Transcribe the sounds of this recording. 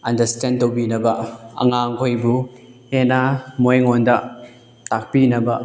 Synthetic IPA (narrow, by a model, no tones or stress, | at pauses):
ɐndɐɾstendtowbinɐbɐɐ̰ŋaŋkʰojbuhenamojŋondɐ | tak̚pinɐbɐ